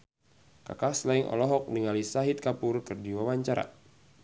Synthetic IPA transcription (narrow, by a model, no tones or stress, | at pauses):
ka̰kaslaiŋʔɔ̰lɔɦɔk̚niŋalisaɦit̪̚kapʊrkɨrdiwawaɲt͡ʃaɾa̰